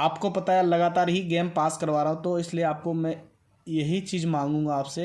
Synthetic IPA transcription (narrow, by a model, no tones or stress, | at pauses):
aːpkopɐt̪aɛlɐɡaːt̪aːɾɦiɡɛːmpaːskɐɾʋaːɾɐɦũt̪oɪslieaːp̚komɛ̃ | jɐɦit͡ʃiːzmãːŋɡũːŋɡaaːpse